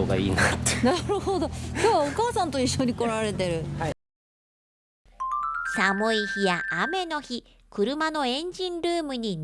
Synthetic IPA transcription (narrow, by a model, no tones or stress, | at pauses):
oːɡa̰ḭːnanaɾɯ̟hod̪o̞keβaokaːsãnt̪o̞iɕːo̞ɲ̟iko̞ɾaɾe̞t̪e̞ɾɯ̟ | samɯ̟içijaʔːme̞no̞çi | kɯ̟ɾɯ̟mano̞ẽ̞ɲ̟d͡ʑĩnɾɯːmɯ̟ɲ̟in